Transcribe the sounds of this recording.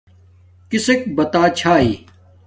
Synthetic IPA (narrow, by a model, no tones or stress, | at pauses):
kɪsek̚bɐt̪aːt͡ɕʰaːɦiː